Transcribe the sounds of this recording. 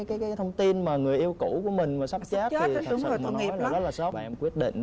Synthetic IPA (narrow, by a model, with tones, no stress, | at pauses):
jkaː˨˦jkaː˨˦jt̪ʰə˧wŋ͡mt̪i˧nmaː˨˩ŋɨ˨˩əjʔi˧əwku˧˩ku˧˩əmï˨˩ŋ̟maː˨˩sa˦˥p̚t͡ɕaː˦˥t̪ːi˨˩˨o˨˩ma˨˧˩nŋi˨˩˦laː˨˩so˦˥ɓa̰˧ʔɛ˧mkwi˦˥ət̚ɗḭ˧˨ŋ̟